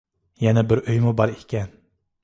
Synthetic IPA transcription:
jɛnæbɪɾøjmʊbɑɾekʲʰɛn

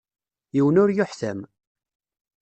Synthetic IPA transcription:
jiwənʊɾjʊħθæm

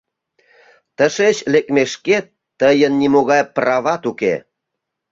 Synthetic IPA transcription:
t̪əʃet͡ɕlekmeʃket̪ːəjənːimoɣɑjprɑβɑt̪ukḛ

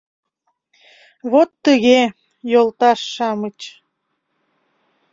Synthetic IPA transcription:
βot̪ːəɣe | jolˠt̪ɑʃːɑmət͡ɕ

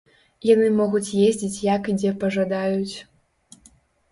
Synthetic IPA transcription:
janɨmɔɣut͡sʲjezʲd͡zʲit͡sʲjakid͡zʲɛpɐʐad̪ajut͡sʲ

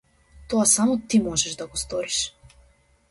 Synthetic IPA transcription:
t̪ɔasamɔt̪imɔʒɛʒd̪aɡɔst̪ɔɾiʃ

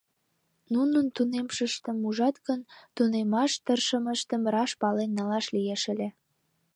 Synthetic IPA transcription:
nunənt̪unemʃəʃt̪əmuʒɑt̪ɣənt̪unemɑʃt̪ərʃəməʃt̪əmrɑʃpɑlenːɑlɑʃlijeʃəlʲe

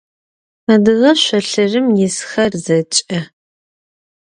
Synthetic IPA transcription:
mɐdɨʁɐʃʷɐɬɨrɨmjɪsxɐrzɐt͡ʃʼɐ

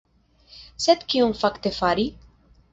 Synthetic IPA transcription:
sɛt̪kiunfakt̪efaɾi

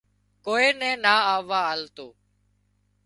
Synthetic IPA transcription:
koːeːnɛ̃ːnaːaːʋaːəlt̪oː

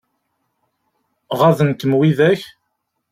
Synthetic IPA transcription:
ʁaðənt̪əmwiðæç

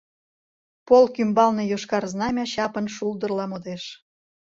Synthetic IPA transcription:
polkymbɑlnejoʃkɑrznɑmʲɑɕɑpənʃulˠd̪ərlɑmod̪eʃ

